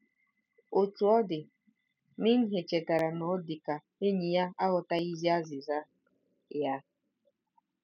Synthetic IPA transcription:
o˨tu˨ɔ˦dɪ˨ | mi˦n̩˦ɦe˨t͡ʃe˨ta˨ɾa˨nɔ˨˦dɪ˨ka˨ | e˦ɲi˨ja˦a˦ɣʊ˨ta˦i˦zi˦a˦zɪ˨za˦ | ja˦

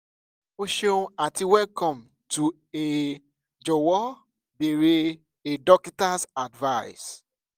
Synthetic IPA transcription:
o˦ʃẽ˦a˨ti˨wɛ˦lkɔ̃˨m | tu˨ | e˨ | d͡ʒɔ˨wɔ˦ | be˨ɾe˦ | e˨dɔ˦ki˦ta˦sa˨dva˦ɪs

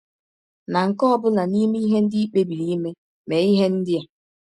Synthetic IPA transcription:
na˨ŋ̩˨kɔ˦bʊ˦na˨ni˦mi˦i˦ɦe˦n̩˦dɪ˦i˦k͡pe˦bi˨ɾi˦me˦ | me˨i˦ɦe˦n̩˦dɪ˦ja˦

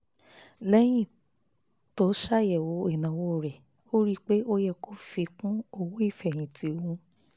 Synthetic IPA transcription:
lɛ˦j̃ĩ˦˨ | to˨˦ʃa˦˨jɛ˨wo˨˦i˨nã˨wo˧˦˨ɾɛ˨ | o˦ɾi˦k͡pe˦ʔo˦jɛ˧kʰo˦fi˧kũ˦o˧wu˦i˦˨fɛ˨j̃ĩ˨ti˨˦o˧ũ˧˦

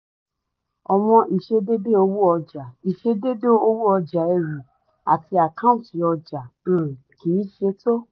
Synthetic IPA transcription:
ɔ˨w̃ɔ̃˧ʔi˨ʃe˧de˦de˦o˧˦wu˦ɔ˧d͡ʒa˨i˨ʃe˧de˦do˦o˦wu˦ɔ˧d͡ʒa˨ɛ˧ɾi˨ | a˨tʰi˧˦a˨kã˦ũ˦˨ti˨˦ɔ˧d͡ʒã˨˦˨ki˨˦ʃe˧˦to˦

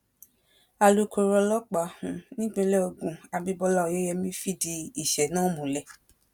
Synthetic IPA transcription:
a˧lu˦ko˧ɾɔ˧lɔ˦k͡pa˨˦hũ˨˦nĩ˦ɡ͡bẽ˦˧˦lɛ˦o˧ɡũ˨a˨bi˧bɔ˧la˦˨je˦jɛ˧mĩ˦fi˦˨di˧i˦˨ʃɛ˨nãː˦˨mũ˨lɛ˨

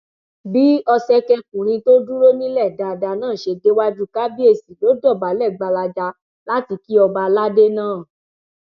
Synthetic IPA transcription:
bi˦ɔ˧sɛ˦kɛ˧kũ˨ɾ̃ĩ˧to˦du˦ɾo˦nĩ˦lɛ˦˨da˨da˧nãː˦˨ʃe˧de˦wa˦d͡ʒu˦ka˦bi˦e˧˨si˨lo˨˦dɔ˦˨ba˨˦lɛ˦˨ɡ͡ba˧la˧d͡ʒa˧ | la˦ti˧ki˦ɔ˧ba˧la˦de˦nãː˦˨

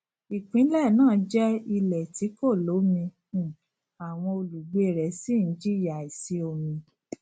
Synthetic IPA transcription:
i˨k͡pĩ˨˦lɛ˦˨nãː˦˨˦d͡ʒɛ˦i˧lɛ˨tʰi˨˦ko˦˨lo˨˦mĩ˧˨ | a˨w̃ɔ̃˧o˧lu˨ɡ͡be˨e˨ɾɛ˨˦si˦˨n̩˨˦d͡ʒi˦˨ja˨i˨si˧˦o˧mĩ˧

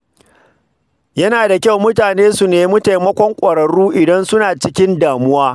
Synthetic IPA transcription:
jɐ˦naː˨da˨kʲa˦wmʊ˦taː˨neː˦su˨neː˨mʊ˦ta˨jmɐ˦kʷɔ˦ŋkʷʼɐ˨ɾɐ˨ɽuː˦ʔɪ˨dɐ˦nsʊ˦naː˨t͡ʃɪ˦kʲɪ˦ndaː˨mʊ˦waː˦

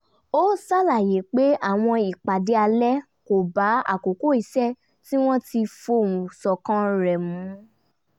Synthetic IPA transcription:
o˦sa˦la˦˨je˨˦k͡pe˦a˦˨w̃ɔ̃˧i˨k͡pa˨de˨˧˦a˧lɛ˦ | ko˨ba˨˦a̰˦˨ko˨ko˦˨i˨˦sɛ˦˨ | ti˦w̃ɔ̃˦ti˧fo˦˨ũ˨sɔ˨kã˦ɾɛ˨mũ˨˦

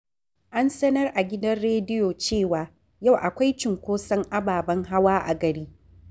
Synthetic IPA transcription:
ʔa˦nsɐ˦nɐ˦rʔa˨ɡʲɪ˦dɐ˦rɽeː˦dɪ˦joː˨t͡ʃeː˦˨waː˨ | ja˦˨wʔa˨kʷa˦jt͡ʃɪ˨ŋkʷoː˦sɐ˦ŋʔa˦baː˨bɐ˦ŋɦa˦waː˦ʔa̰˨ɡɐ˨ɾiː˦

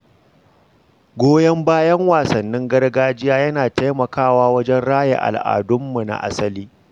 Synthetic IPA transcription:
ɡʷoː˦jɐ˦mbaː˦jɐ˦ŋwaː˨sɐ˨nːɪ˦ŋɡɐ˦rɡaː˦d͡ʒɪ˦jaː˦jɐ˦naː˨tɐ˦jmɐ˨kaː˦˨waː˦wɐ˦d͡ʒɛ˦nɽaː˦jḛ˨ʔa̰˨lʔa̰ː˨dʊ˦mːu˨na̰˨ʔa̰˦sɐ˦liː˦

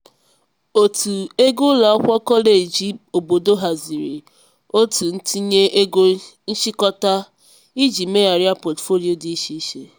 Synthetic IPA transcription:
o˨tu˨e˦ɡo˦la˨ɔ˦kʷɔ˦kɔ˦le˨d͡ʒi˦o˨bo˨do˦ɦa˨zi˨ɾi˨ | o˦tu˨n̩˦ti˦ɲe˦ɡo˦ | n̩˦ʃi˦kɔ˦ta˦ | i˦d͡ʒi˨me˦a˨ɾi˦a˦pɔ˨tfo˦li˦˨o˨di˨˦i˦ʃi˦i˦ʃe˦

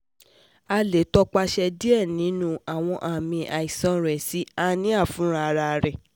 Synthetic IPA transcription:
a˧le˨tɔ˧k͡pa˧ʃɛ˧di˦ɛ˦˨nĩ˨˦nũ˦a˨w̃ɔ̃˧ʔa˨mĩ˧ʔa˨i˨sɔ̃˧˦ɾɛ˨si˨˦a˧nĩ˦a˦˨fũ˨˦ɾa˧ɾa˧˨ɾɛ˨

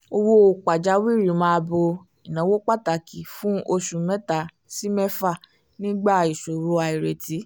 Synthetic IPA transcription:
o˧wo˦o˧k͡pa˨d͡ʒa˨˦wi˦˨ɾi˨˦mã˦˧bo˧ | i˨nã˨˦wo˦k͡pa˦˨ta˨ki˨fũ˦o˧ʃũ˨mɛ̃˦ta˨ | si˦mɛ˦fa˦˨ | nĩ˦ɡ͡ba˦˨i˨ʃo˨ɾu˧˦a˧i˨ɾe˨ti˨˦

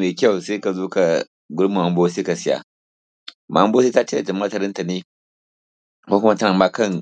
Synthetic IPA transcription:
meː˨kʲa˦˨wse˦ka˨zoː˦ka˨ | ɡʊ˦ɾma˨ma˨˦mboː˦se˦ka˨sɪ˦ja̰˦ | ma˨˦bo˦s̬e˦ta˦t͡ʃe˦da˨d͡ʒa˨mː˦a˦ta˨ɾɪ˦nta˨ne˦ | ko˦kʊ˦ma˦ta˦na˨maː˦kɐ˦ŋ

